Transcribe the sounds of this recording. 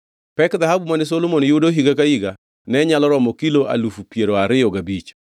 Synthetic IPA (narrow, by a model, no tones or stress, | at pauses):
pɛkd̪aɦabumanɪsolomonjʊdoɦiɡakaiɡa | nɛɲalɔɾɔmɔkiloʔa̰lufupjeɾoaɾɪjɔɡabit͡ʃ